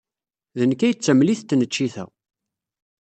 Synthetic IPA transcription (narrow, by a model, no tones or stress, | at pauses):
ðənəkːæjət͡sːəmliθt̪ːnət͡ʃːiθæ̰